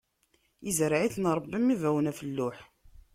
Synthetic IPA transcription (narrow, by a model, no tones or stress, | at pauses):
izəɾʕiθnɾˤəbːimivæwənæfəlːʊħ